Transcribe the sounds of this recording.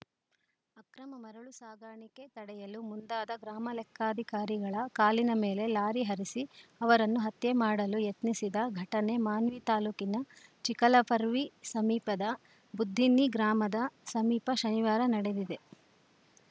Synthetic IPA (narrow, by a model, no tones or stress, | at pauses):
ɐkɾɐmɐmɐɾɐɭusaːɡʱaːɳike̞t̪ɐɽɛjɐlumund̪aːd̪ɐɡɾaːmɐlɛkʰːaːd̪ʱikaːɾiɡɐɭɐkaːlinɐme̞ːle̞laːɾiɦɐɾisiɐʋɐɾɐnːuɦɐt̪jemaːɽɐlujet̪nisid̪ɐɡʱɐʈɐne̞maːnʋit̪aːluːkinɐt͡ʃikɐlɐpɐɾʋisɐmiːpɐd̪ɐ | bud̪ʱːinːiɡɾaːmɐd̪ɐsɐmiːpɐʃɐniʋaːɾɐnɐɽe̞d̪id̪e̞